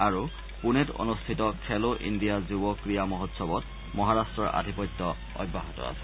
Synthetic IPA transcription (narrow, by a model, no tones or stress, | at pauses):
aɹu | punɛto̰nustʰitɔkʰɛloʔḭndijazubɔkɹijamɔɦɔtsɔbɔt | mɔɦaɹastɹɔɹa̰dʱipɔtːɔ | ɔ̰jbʱːaɦɔtɔ̰a̰sɛ̥